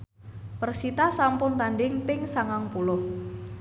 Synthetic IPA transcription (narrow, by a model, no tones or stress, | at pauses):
pərsit̪asampʊnt̪anɖɪŋpɪŋsaŋaŋpulʊh